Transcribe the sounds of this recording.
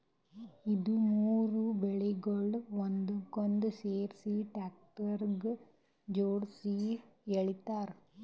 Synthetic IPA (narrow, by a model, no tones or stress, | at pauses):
iðumuːrubɛɭiɡɐɭʋɔnd̪ukɔnd̪ɨseːɾsiʈaːk̚ʈʋɐɾɡ | d͡ʒoːɽsiɛɭit̪ːaːɾ